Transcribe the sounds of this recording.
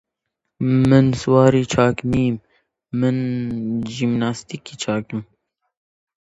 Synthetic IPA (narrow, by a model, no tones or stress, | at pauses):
mɨnswɑːɾiːt͡ʃʰɑːkmiːmː | ɨn | ʒimnaːst̪ikiːt͡ʃʰɑːkɨm